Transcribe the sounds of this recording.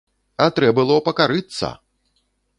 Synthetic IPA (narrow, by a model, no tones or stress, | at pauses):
ɐt̪ɾɛbbɨlˠɔpɐkaɾɨt̪sːɐ̰